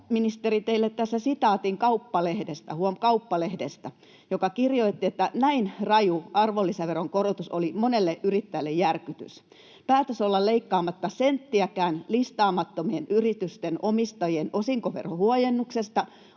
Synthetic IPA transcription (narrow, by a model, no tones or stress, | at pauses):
minist̪erit̪eilːet̪t̪æsːæsit̪ɑːt̪iŋkɑupːɑlehdest̪æhuomkɑupːɑlehdest̪æ | jokɑkirjoit̪ːiet̪ːænæinrɑjuɑrʋolːiseʋeroŋkorot̪usolimonelːeʔyrit̪ːæilːejjærkyt̪y̰s | pæːt̪øsolːɑlleikːɑːmɑt̪ːɑsent̪ːiækæːnlist̪ɑːmɑt̪ːomienyrit̪yst̪enomist̪ɑjienosiŋkoʋḛrhohuojenːuksest̪ɑ